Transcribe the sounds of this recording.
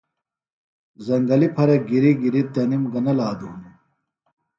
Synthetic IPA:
zɐŋɡɐlipʰɐɾɐɡiɾiɡiɾit̪ɐnimɡɐnɐlaːd̪uːm

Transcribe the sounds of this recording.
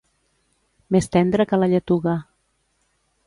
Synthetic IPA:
mest̪ɛnd̪ɾəkəlaʎət̪uɣa

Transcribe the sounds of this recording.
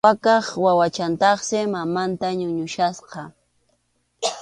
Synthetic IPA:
akɑχwawat͡ʃant̪ɑχsɪmamant̪aɲʊɲʊʃasqɑ

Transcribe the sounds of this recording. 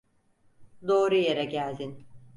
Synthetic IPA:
d̪o̞ːɾujeɾɛɟælʲd̪in

